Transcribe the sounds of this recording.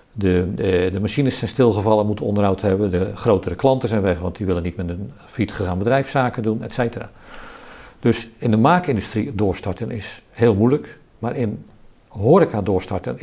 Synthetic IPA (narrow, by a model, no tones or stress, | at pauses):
dədəmaʃinəsːɛjnstɪlˠχəvɑlˠəmutəɔ̰ndərɦawthɛbəndəχroːtəɾəklɑntəsɛjnʋɛχʋɑ̰ntdiʋɪlənitmɛtən | fitχəɣaːnbədrɛjfsaːkədunɛtsejtəra̰ː | d̥øsɪndəmaːkɪndystridoːɹstaɹtənɪshɪːlˠmujlək | maːrɪn | ɦoːɾɪkadoːɹstaɹtən